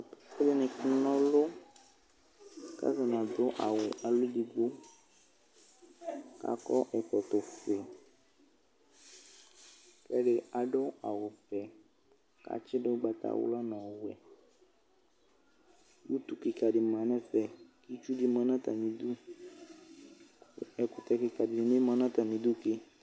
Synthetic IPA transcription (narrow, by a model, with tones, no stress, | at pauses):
fe˦le˦nɛ̃˨knɔ̃˦lo˦ | ka̰˦za˨nã˨d̪o˦ʔa̰˨we˨ʔa˨lu˦ɖi˨ɡ͡bo˦ | ka̰˦kɔ̰˦ʔɛ˨t̪ɔ˨t̪o˨fe˨ | kɛ˦ɖe˦a˨ɖɔ˦a˨wo˨vɛ˨ | ka̰˦t͡ʃɪ˦ɖe˦ɡ͡ba˨t̪a̰˦wṵ˦la˦nã˨wu˨ɛ˨ | wu˦t̪u˦ki˨ka˨ɖi˨m˨ã˨nɛ̃˦fɛ˨ki˦t͡ʃu˦ɖi˦mã˦nã˦t̪a̰˨mĩ˨d̪u˦ | ɛ˨ku˨t̪ɛ˨ki˨ka˨di˨nĩ˨nẽ˦mã˦nã˦t̪a˨mĩ˨d̪u˦ke˦